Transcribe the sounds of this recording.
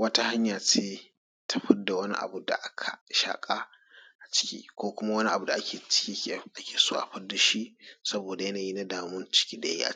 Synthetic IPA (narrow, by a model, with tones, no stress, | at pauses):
wɐ˦ta˦ha˦ɲjaː˨t͡ʃeː˦ | tʰa˦ɸɪ˦da˨wɐ˦nḭ˦ʔa̰˨bu˦da̰˨ʔa˦kʰa˨ʃa̰ː˨kʼa˦ | ʔa˨t͡ʃɪ̥˦kʲḭː˦kʷoː˦kʷʊ˦ma˦wɐ˦ni˦ʔa̰˨bu˨da˨ʔa˦kʲʰeː˨t͡ʃɪ̥˦kʲiː˦kʲːʔa˦kʲeː˨soː˦ʔa̰˨ɸɐ˦da˨ʃi˦ʔsɐ˦boː˨da˨jɐ˦naː˨jiː˦na˦daː˨mʊ˦nt͡ʃɪ̥˦kʲiː˦da˨a̰˦i˦ʔa̰˨